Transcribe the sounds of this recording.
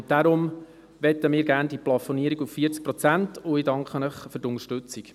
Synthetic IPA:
d̥aɾʊm | ʋɛt̪əmɪːɾɡæːɾnd̥iplɑfɔniːəɾiɡuffiːəɾt͡sk̚pɾɔt͡sæntʊjdɑŋkχənəχfʏɾtʊŋəʃtʏt͡siɡ

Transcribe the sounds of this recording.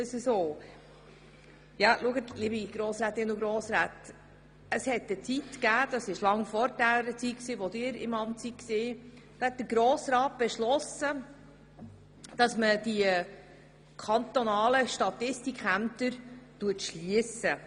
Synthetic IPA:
əsəsoː | jɑluəɡətlibiɡ̥ɾoːsɾæːt̪ɪnəʊɡɾoːsɾæːt̪ | əshɛt̪ət͡sit̪kæːd̥̪ɑsɪʃlɑŋfɔɾdæɾət͡sit̚ksiːʋɔd̪ɪːɾɪ̰mɑmtsikseː | d̥hɛt̚d̪əɾɡɾoːsɾɑːt̚b̥ɛʃlɔsə | d̥ɑsməd̥i | kʰɑnt̪ɔnɑːləʃtɑt̪ɪstikχæmt̪əɾtuətʃliəsə

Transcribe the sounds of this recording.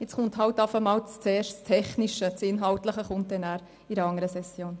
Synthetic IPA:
jɪt͡sχʊnthɑltɑfəmɑːlt͡st͡seːʃtt͡stʰɛχniʃət͡sɪnɦɑltləχəχʊnt̚dɛnæːɾ | iɾəɑŋəɾəsɛsjoːn

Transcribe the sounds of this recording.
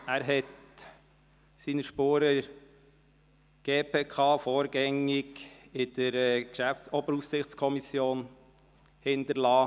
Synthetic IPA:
æːɾɦɛt | siːnəʃpoːɾə | ɡ̥eːpʰeːkʰɑːfɔːɾɡ̥ɛŋɪɡɪd̪̥əɾɛkʃæfsɔbəɾufsɪχt͡skʰɔmisjoːn | hɪnd̪əɾlɑː

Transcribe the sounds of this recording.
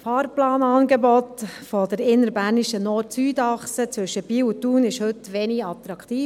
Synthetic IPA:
fɑːɾplɑːnɑːnɡɛbɔtfɔd̥əɾɪnːəɾbæːɾniʃənɔɾtsyːdɑχsət͡sʋʏʃəb̥iːutuːnɪʃhɵtʋɛniɡɑt̪ɾɑkt̪iː

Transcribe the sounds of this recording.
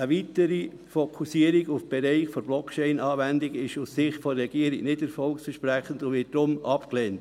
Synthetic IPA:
əʋitəɾi | fokʰusiəɾiɡufb̥ɛɾeɪχfɔɾb̥lɔkʰt͡ʃɛɪnɑːvændɪɡɪʃussɪχtfɔɾɛɡ̥iːəɾiɡnɪdɛɾfɔlksfəʃpɾæχəndʊvɪt̚d̥ɾʊmɑpkleːnt

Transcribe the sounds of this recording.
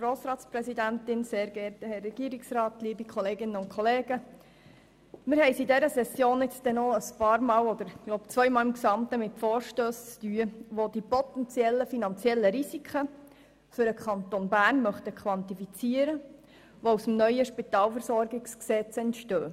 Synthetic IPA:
ɡ̥ɾoːsɾɑːtspɾɛsidæntɪnseːɾɡɛɾtəhɛrːɛɡ̥iːəɾiksrɑːtliːbikʰɔleːɡɪnəʊnkʰχɔleːɡ̥ə | mɪɾɦɛɪsidɛɾəsɛsjoːnɪt͡sd̥̪ɛnɔəspɑːɾmɑːlɔd̪əɾɡ̥lɔʊpt͡sʋœʏmɑːlɪmksɑmt̪əmɪtfoːɾʃtøːst͡styːəʋod̥̪ipɔt̪ɛnt͡sjɛlːəfinɑnt͡sjɛlːəɾisikʰə | fʏɾəkʰɑnt̪onbæːɾnmœχtəkʰχʋɑntifit͡siəɾə | ʋousm̩nœʏəʃpit̪ɑːlfəɾsɔrɡɪksksɛt͡sɛntʃtøː

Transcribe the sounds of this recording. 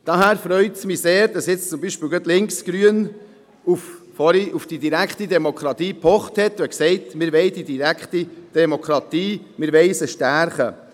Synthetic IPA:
d̥ɑɦæːɾfɾœʏtsmiseːɾd̥ɑsjɪt͡st͡sʊmbiʃpɪːlɡœtlɪŋksɡ̥ɾyən | uf | fɔɾiʔufd̥idiɾækχt̪id̪ɛmokχɾɑt̪iːpʰɔχt̪hɛt̪ɛksɛɪt̪mɪɾʋɛɪd̥̪id̪iɾækχt̪id̪̥ɛmokχɾɑt̪iː | mɪɾʋɛɪsəʃtæɾχə

